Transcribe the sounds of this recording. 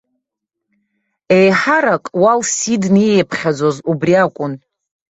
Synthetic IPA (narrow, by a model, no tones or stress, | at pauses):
ejħaɾakʼwalsidniejpʰχʲad͡zozubriakʷʼʊn